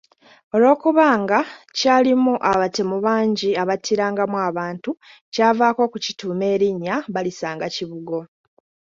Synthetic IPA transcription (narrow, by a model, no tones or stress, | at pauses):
o̞lo̞ːkuβaːŋɡacaːlimuʔaβate̞muβaːɲɟiaβatʰiɾaːŋɡamwaβaːntu | caːvaːko̞ːkucituːme̞ːɾiɲːaβalisaːŋɡaciβuɡo̞